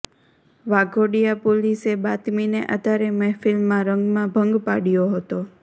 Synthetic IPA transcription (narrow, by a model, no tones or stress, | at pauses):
ʋaɡoɽijapolisebat̪mineʔat̪aɾemɛfɪlmːãɾəŋɡmãbʱəŋɡpaɽijoɦət̪o